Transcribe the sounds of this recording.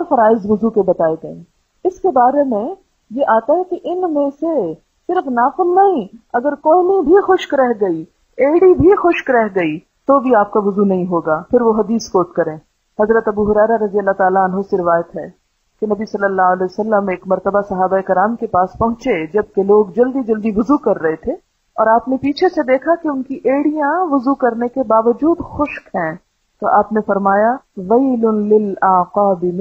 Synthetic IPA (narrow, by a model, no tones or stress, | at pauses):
ɾfɐɾaːɪzʋʊzukebɐt̪aːeɡɐḛ̃ː | ɪskebaːɾemẽ | jeʔaːt̪aɦɛkeʔɪnmẽse | sɪɾfnaːfɪlnɐɦĩɐɡəɾkoːmibʱixʊʃkɾɛɦɡɐi | eːɽibʱixʊʃkɾɛɦɡɐi | t̪obʱiaːp̚kaʋʊzunɐɦĩɦoːɡaːpʰɪɾʋoɦɐd̪iːskoːʈkɐɾẽː | hɐzɾət̪ɐbuɦʊɾɛːɾaɾɐzijəlːat̪aːlaɐnɦosɪɾɪʋaːjət̪ɦɛː | kenɐbisɐlːəlːaːɦʊɐlɛːjsɐlːəmeːkmɐɾt̪əbasɐɦaːbaekɪɾaːmkepaːspɐɦʊ̃t͡ʃed͡ʒɐb̚keloːɡd͡ʒɐld̪id͡ʒɐld̪iʋʊzukɐɾːɐɦet̪ʰeː | ɔ̰ːɾaːpnepiːt͡ʃʰesed̪eːkʰakeʊnkiʔeːɽijãʋʊzukɐɾnekebaːʋəd͡ʒuːd̪xʊʃkɦɛ̃ː | t̪oʔaːpnefɐɾmaːjaʋeɪlʊnlɪlaːqaːbɪm